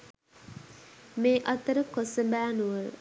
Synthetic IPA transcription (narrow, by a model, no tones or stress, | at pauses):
meːʔɐt̪əɾəkosəbæːnuʋəl